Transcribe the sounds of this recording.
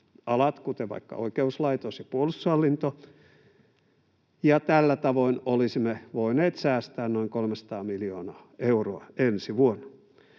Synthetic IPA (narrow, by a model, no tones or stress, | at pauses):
ɑlɑt̪kut̪eʋɑ̰ikːɑ̰oikeuslɑit̪osjɑpuolust̪ːuɑlːint̪o | jɑt̪ælːæt̪ɑʋoinolisimːeʋoineːt̪sæːst̪æːnnoiŋkolmesɑ̥t̪ɑːmilioːnɑːeuroɑensiʋuonːɑ̥